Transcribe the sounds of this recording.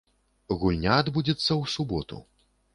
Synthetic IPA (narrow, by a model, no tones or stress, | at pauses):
ɣulʲnʲaːd̪bud͡zʲit̪sːɐwsubɔt̪ṵ